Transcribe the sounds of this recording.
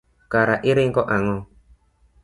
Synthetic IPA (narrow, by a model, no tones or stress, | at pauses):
kaɾaʔiɾiŋkɔʔaŋɔ